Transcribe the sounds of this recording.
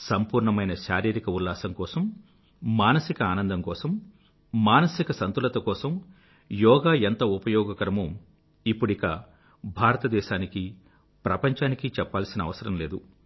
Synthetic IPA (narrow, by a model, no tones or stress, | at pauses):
sɐmpuːɾɳɐmɐjnɐʃaːɾiːɾikɐulːaːsɐŋkɔːsɐmː | aːnɐsikɐaːnɐnd̪ʱɐmkɔːsɐmː | aːnɐsikɐsɐnt̪ulɐt̪ɐkɔːsɐm | jɔːɡaːent̪ɐupɐjɔːɡɐkɐɾɐmu | ipːuɽikɐ̰ | bʱaːɾɐt̪ɐd̪ɛːʃaːniki | pɾɐpɐɲt͡ʃaːnikit͡ʃɛpːaːlsinɐːʋɐsɐɾɐmle̞ːd̪u